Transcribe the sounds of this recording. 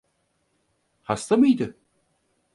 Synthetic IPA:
hast̪amɯjd̪ɪ

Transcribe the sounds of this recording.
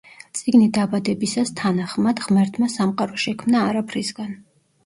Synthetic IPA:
t̪sʼiɡnid̪abad̪ɛbisast̪ʰanaχmad̪ʁmɛɾt̪ʰmasamqʼaɾɔʃɛkʰmnaːɾapʰɾisɡan

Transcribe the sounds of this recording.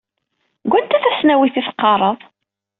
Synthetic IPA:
ɡʷænt̪ːæθæsnæwiθiθqːɑɾˤəðˤ

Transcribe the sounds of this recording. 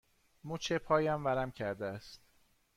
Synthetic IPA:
mut͡ʃʰepʰɒːjæmvæɾæmcʰæɾd̪eæst̪̚

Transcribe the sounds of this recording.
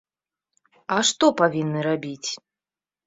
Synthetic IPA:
aʂt̪ɔpavʲinːɨɾabʲit͡sʲ

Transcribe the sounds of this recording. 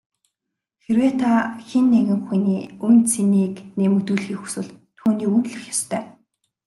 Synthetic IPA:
xeɾweːt̪ʰaxenːeɣʲɪ̆ŋxujniːunt͡sʰiniːknemɵt̪uːɮxiːxu̥swɘ̆ɮt̪ʰuːniːunɮɘ̆xjast̪ʰœː

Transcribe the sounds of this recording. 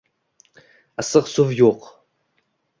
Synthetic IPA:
asɨʁsuvjoːq

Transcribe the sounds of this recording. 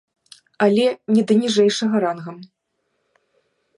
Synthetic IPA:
ɐlʲɛnʲɛd̪ɐnʲiʐɛjʂɐɣɐɾanɣɐm

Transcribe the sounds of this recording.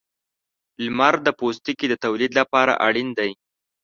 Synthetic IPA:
lmaɾd̪əpost̪ikid̪ət̪awlid̪lapɑɾa̰ʔaɽind̪aj

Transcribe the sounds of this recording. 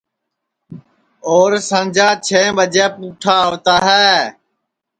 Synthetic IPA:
oːɾsə̃nd͡ʒʱãːt͡ʃʰeːbəd͡ʒɛːpũːʈʰaːɦoːt̪aːɦɛː

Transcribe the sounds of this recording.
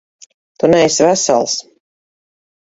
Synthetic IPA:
t̪unɛjsvæsa̰lˠs

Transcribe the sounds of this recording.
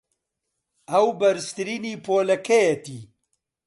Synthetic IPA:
ɐwbɐɾst̪ɨɾiniːpoːlɐkɐjɐt̪i

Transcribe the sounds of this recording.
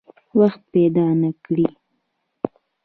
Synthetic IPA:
waxt̪̚ped̪ɑnakɽi

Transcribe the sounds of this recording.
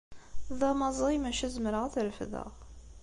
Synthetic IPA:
ðɑmɑzˤimæʃæzmɾəʁæθɾəfðə̰ʁ

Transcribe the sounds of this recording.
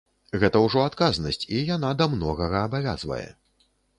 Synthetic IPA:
ɣɛt̪ɐwʐɔat̪kaznɐsʲt͡sʲijan̪ad̪amnɔɣɐɣɐːbavʲa̰zvɐ̰jɛ̰

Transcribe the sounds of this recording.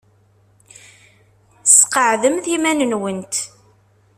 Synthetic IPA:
sqəʕðəmðimænənwənt̪

